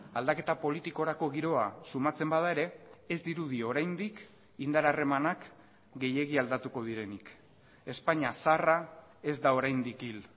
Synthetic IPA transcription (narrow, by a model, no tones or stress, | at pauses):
ald̪ake̞t̪apo̞lit̪iko̞ɾako̞ɣiɾo̞asumat͡se̞mbað̞ae̞ɾe̞ːzd̪iɾuð̞io̞ɾajnd̪ik | ind̪aɾare̞manak | ɡe̞je̞ɣ̞iald̪at̪uko̞ð̞iɾe̞nik | e̞spaɲasarae̞zd̪ao̞ɾajnd̪ikil